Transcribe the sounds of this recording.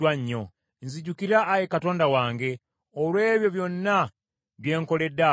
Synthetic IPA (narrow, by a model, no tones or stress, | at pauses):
waɲːo̞ | nziɟukiɾaːjekato̞ːndawaːŋɡe̞ | olwe̞ːβjo̞βjo̞nːa | βje̞ːŋko̞le̞dːa